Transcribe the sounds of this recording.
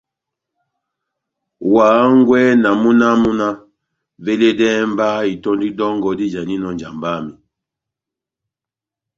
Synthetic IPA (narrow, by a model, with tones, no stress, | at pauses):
waː˨˦ŋ˦ɡwɛ˦na˨mu˦na˦mu˦na˦ | ve˦le˦dɛ˦m˦ba˦i˨tɔ˦ndi˦dɔ˦ŋɡɔ˨di˦d͡ʒa˨ni˦nɔ˨ɲd͡ʒa˨mba˦mi˨